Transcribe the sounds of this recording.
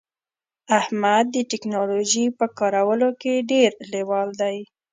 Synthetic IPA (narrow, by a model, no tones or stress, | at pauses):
ahmad̪̚ːəʈɪknɑloʒipəkɑɾawəlokeɖeɾlewɑld̪aj